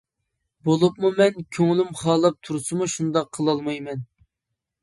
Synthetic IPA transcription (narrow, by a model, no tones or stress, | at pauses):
bolˠup̚mumɛnkʲʰøŋlɪmχɑːlˠɨp̚t̪ʰuɾsɨmuʃund̪ɑqʰːəlˠɑlˠmɑjmɛn